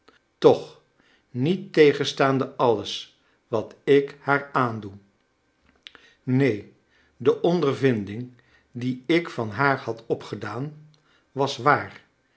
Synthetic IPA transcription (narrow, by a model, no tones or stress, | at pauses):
tɔχ | nitːejχənstaːndəʔɑləs | ʋɑtɪkhaːɹaːndu | nej | dəʔɔndəɹvɪndɪŋ | diɪkfɑnɦaːɹhɑtʰɔpχədaːn | ʋɑsʋaːr